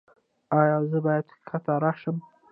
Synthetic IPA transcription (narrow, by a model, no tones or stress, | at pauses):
ɑjɑzəbɑjad̪kʰat̪aɾɑʃəm